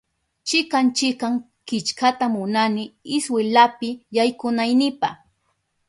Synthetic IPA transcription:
t͡ʃɪkant͡ʃɪkaŋ | kɪt͡ʃkat̪amʊnanɪɪswɪlapɪjajkʊnajnɪpaχ

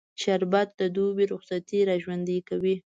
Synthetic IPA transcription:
ʃaɾbat̪̚d̪əd̪ubiɾʊxsat̪iɾɑʒwand̪əkawi

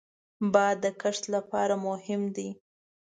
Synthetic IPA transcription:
bɑd̪ːəkaʂt̪lapɑɾamʊhɪmd̪i

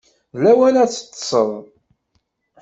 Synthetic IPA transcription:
læwælæt͡sːə̥t̪ːsˤə̰ðˤ

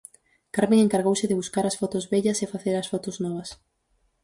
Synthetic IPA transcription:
kaɾmẽŋeŋkaɾɣowsɪðɪβuskaɾɐsfɔt̪ʊzβɛʎɐsefaθeɾɐsfɔt̪ʊznɔβ̞ɐs

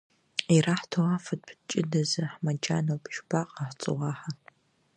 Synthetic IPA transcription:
iraħtʰowafɐd̚ʼpʰt͡ʃʼɪdɐzɨħmad͡ʒanowpʰʒbaqʼaħt͡sʼɨ̰ʁaħa

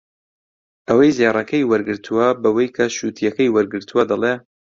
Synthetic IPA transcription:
ʔɐwɐjzerˤɐkʰɐjwɐɾɡɨɾt̪ʰuwɐbɐwɐjkʰɐʃut̪ʰijɐkɐjwɐɾɡɨɾt̪ʰuwɐd̪ɐlˠe

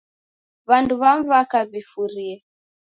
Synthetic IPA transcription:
βanduβaɱvakaβifuɾiɛ

